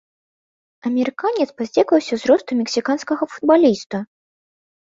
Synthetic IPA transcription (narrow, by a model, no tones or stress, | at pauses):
ɐmʲɛɾɨkanʲɛt̪spazʲd͡zʲɛkvɐwsʲɐzɾɔst̪umʲɛksʲikanskɐɣɐfud̪̚balʲist̪u